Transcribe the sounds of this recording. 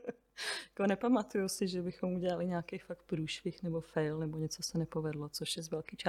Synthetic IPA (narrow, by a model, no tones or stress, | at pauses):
jakonɛpamat̪ujusɪʒɛbɪxo̞muɟɛlalɪɲaːkɛjfak̚t̪̚pɾuːʃfɪxnɛbofɛjlnɛbo̞ɲɛt͡sosɛnɛpovɛdlot͡soʃjɛzvɛlkiːt͡ʃa